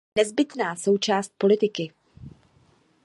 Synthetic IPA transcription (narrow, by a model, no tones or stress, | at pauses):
nɛzbɪt̪naːso̞wt͡ʃaːst̪̚po̞lɪt̪ɪkɪ